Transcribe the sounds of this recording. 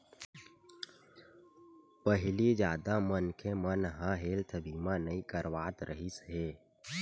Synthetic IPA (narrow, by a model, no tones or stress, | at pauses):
pəɦɪlid͡ʒjaːd̪amənkʰemənɦəɦeːlt̪ʰəbiːmanəĩkəɾʋaːt̪ɾʔəɦisɦeː